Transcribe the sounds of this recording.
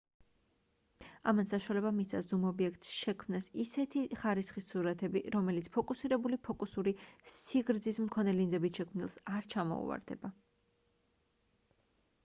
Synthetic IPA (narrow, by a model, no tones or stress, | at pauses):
a̰mansaʃwalɛbamisʰazumɔbiɛkt̪ʼsʃɛkʰmnasisɛt̪ʰiχaɾisχisuɾat̪ʰɛbiɾɔmɛlit̪sʰpʰɔkʼusiɾɛbulipʰɔkʼusuɾisiɡɾd̪zismkʰɔnɛlinzɛbisʃɛkʰmnilˠsaɾt͡ʃʰamɔ̰ṵva̰ɾd̪ɛ̰ba